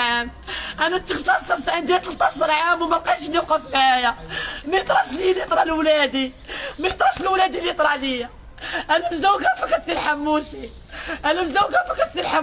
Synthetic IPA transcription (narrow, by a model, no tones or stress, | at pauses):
am | ʔænæt̪əxt̪ɑsæbsʕind̪ijæt̪lət̪ˤːɑʃɾˤʕamwmæqɑʃliqɑfæjæmæjət̪ˤɾˤɑʃliljət̪ˤɾˤɑlwlæd̪imæjət̪ˤɾˤɑʃlwlæd̪iljət̪ˤɾˤɑlija | ʔælæmzd̪æwkæfækæsilħamːuʃi | ʔælæmzd̪æwkæfækæsilħam